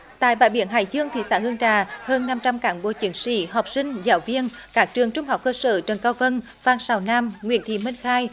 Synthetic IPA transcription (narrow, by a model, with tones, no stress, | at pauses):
t̪a̰ː˧˨jɓa̰ː˧˨jɓi˧˩˦ənɦa̰ː˧˩jzɨ˧əŋt̪ʰḭ˧˩sa̰ː˧˥hɨ˧əŋt͡ɕaː˧˩həː˧nːa˧mt͡ɕa˧mkaː˨˦ŋɓo̰˧˩t͡ɕi˨˦ənsḭ˧˥ɦɔ˨˩wk͡p̚sï˧ŋ̟zaː˨˦wvi˧ənkaː˦˥k̚t͡ɕɨ˨˩əŋt͡ɕʊ˧ŋ͡mɦa˨˩wk͡p̚kəː˧sə̰ː˧˩t͡ɕə˨˩nkaː˧wvə˧n | vaː˧˩ŋsaː˧˩wnaː˧mŋwḭ˧˨ənt̪ʰḭ˧˩mï˧ŋ̟xaː˧j